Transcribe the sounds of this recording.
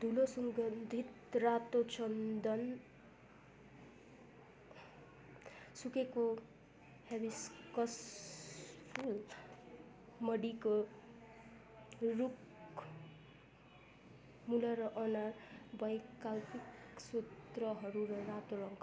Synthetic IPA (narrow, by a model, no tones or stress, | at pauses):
d̪ʱulosʌŋɡʌnd̪ʱit̪rat̪ot͡sʌnd̪ʌn | sukeko | habiskʌs | pʰul | mʌɽiko | ruk | mulʌɾʌʔʌnarbʌjkalpiksut̪rʌɦʌɾuɾʌɾat̪oɾʌŋkʰ